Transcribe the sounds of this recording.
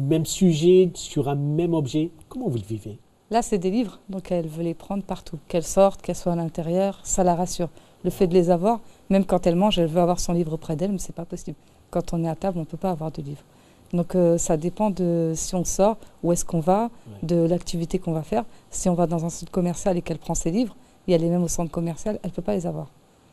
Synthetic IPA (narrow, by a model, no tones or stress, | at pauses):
mɛmsyʒɛsyʁɛ̃mɛmɔbʒɛkɔmɑ̃vulvive | lasɛd̪elivʁd̪ɔ̃kɛlvølepχɑ̃d̪ʁpaʁt̪ʰukɛlsɔʁt̪kɛlswaːlɛ̃t̪eʁjœʁsalaʁasyːʁ | ləfɛd̪əlezavwaʁmɛmkɑ̃t̪ɛlmɑ̃ʒɛlvøavwaʁsɔ̃livʁopχɛd̪ɛlmɛsɛpapɔsibl | kɑ̃t̪ɔ̃nɛat̪ablɔ̃pøpaːvwaʁd̪əlivʁ | d̪ɔ̃køsad̪epɑ̃d̪əsiɔ̃sɔʁuɛskɔ̃vad̪əlakt̪ʰivit̪ekɔ̃vafɛʁsiɔ̃vad̪ɑ̃zɛ̃sɑ̃t̪χkɔmɛʁsjalekɛlpχɑ̃selivʁ | ljalemɛmosɑ̃t̪χkɔmɛʁsjalɛlpøpalezavwaʁ